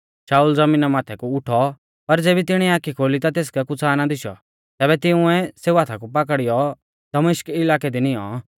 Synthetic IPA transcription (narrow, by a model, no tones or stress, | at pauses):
saːuːld͡zɐmiːnamaːt̪ʰɛkuʊʈʰɔ | pɐɾd͡zeːbit̪ɪɽ̃iaːkikʰoːlit̪at̪eːs̬kɛkʊt͡sʰaːnad̪ɪʃɔ̰ | t̪ɛːbɛt̪ɪʊ̃ɛ̃seːuaːt̪ʰakup̬ɐk̬əɽɪjɔ | d̪̥ɐmeːʃkɪlaːkɛd̪inɪɔ̰